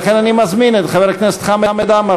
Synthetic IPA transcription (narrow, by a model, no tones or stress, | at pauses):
χɛnanimazminɛt̪χavɛɾknɛst̪χamamɛd̪ama